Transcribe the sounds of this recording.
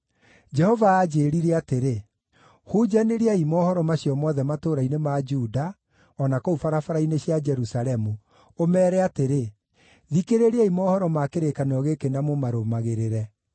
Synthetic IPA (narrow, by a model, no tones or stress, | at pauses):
d͡ʒɛhɔvaːd͡ʒeːɾiɾɛateɾe | hud͡ʒaneɾiaimɔːhɔɾɔmaɕiɔmɔðɛmatoːɾainemad͡ʒuːda | ɔnakoufaɾafaɾaineɕjad͡ʒɛɾusaɾɛmu | omɛːɾɛateɾe | ðikeɾeɾeaimɔːhɔɾɔmakeɾekanɔɣekenamomaɾomaɣeɾeɾɛ